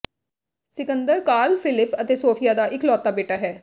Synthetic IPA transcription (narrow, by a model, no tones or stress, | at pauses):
sɪkənd̪əɾkaːlpʰɪlɪpət̪eːsoːpʰɪjaːd̪aːʔɪklɔːt̪ːaːbeːʈaːɦɛː